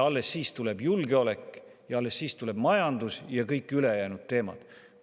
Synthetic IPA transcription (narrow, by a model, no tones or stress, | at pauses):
ɑlːe̞sːiːst̪ulebjulɡe̞o̞le̞kːˑjɑɑlːesːiːst̪ule̞b̥mɑjɑnd̪usjɑkɤjkːˑyle̞jæːnud̪̥̚t̪e̞ːmɑ̰d̪̥